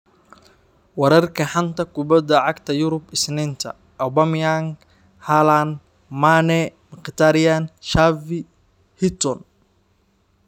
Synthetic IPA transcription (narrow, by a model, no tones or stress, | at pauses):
wɐɾɐrkʰɐħant̪ʰɐkʰʊbɐd̪ɐʕɑɡt̪ʰɐjʊɾʊbɪsnɪnt̪ʰɐ̰ | ʔɔbamjaŋ | halan | manɛmɪqt̪ʰaɾɪjanʃavi | hɪt̪ɔn